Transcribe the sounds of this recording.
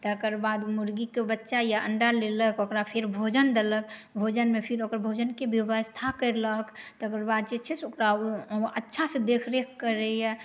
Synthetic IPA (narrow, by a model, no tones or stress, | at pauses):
t̪əkəɾbad̪muɾɡikebətːʃajaʔəɳɖaleləkokɾapʰiɾbʱod͡ʒənd̪eləkbʱod͡ʒənmepʰiɾokəɾbʱod͡ʒənkebjibəst̪ʰakəɾləkt̪əkəɾbad̪̚t͡ʃet͡ʃʰesokɾaʔətːʃʰasẽd̪ekʰɾekʰːəɾeja